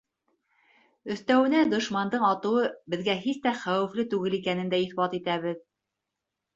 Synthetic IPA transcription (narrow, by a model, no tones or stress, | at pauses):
ɵ̆θt̪æwɘ̆næd̪ŏʃmɑnd̪ɤɴɑt̪ɤ̆wɤbɘ̆ðɡæɦist̪æχæwɘ̆flɘt̪ʉɡɘlikænɘ̆nd̪æiθbɑt̪it̪æβɘð